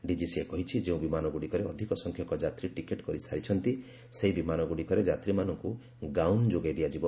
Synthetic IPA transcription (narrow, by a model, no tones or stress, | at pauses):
ɖid͡ʒisiekɔɦit͡ʃʰid͡ʒeũbimanɔɡuɽikɔɾeɔd̪ʱikɔsɔŋkʰjɔkɔd͡ʒat̪ɾiʈikeʈkɔɾisaɾit͡ʃʰɔnt̪i | seibimanɔɡuɽikɔɾed͡ʒat̪ɾimanɔŋku | ɡawnd͡ʒoɡajd̪iad͡ʒibɔ